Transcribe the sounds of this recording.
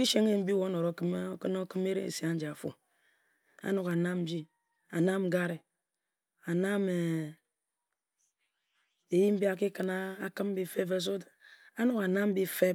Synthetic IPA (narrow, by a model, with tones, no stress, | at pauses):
i˦ʃe˦ŋe˦m̩˦bi˦wo˦no˨ɾo˨˦kɨ˦m˦kɨ˦no˦kɨ˦me˦ɾḛ˦ḛ˨si˨a˨˦n̩˦d͡ʒa˨a˨fo̰˨ | a̰˨˦nu˨ka˨na˦m̩˦bi˦ | a˨na˦m̩˦ɡa˦ɾe˨ | a˨na˦me˨ | e˨ji˦m̩˦bi˦a˦k̬i˦kɨ˦na˦a˨kɨ˦m̩˦bi˦fe˦fe˨s̬o˦da˦ | a˦nu˦ka˨na˦m̩˦bi˦fe˦